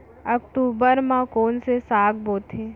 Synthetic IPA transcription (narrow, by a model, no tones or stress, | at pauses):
əkʈ̪uːbəɾmãkoːnsesaːɡboːt̪ʰe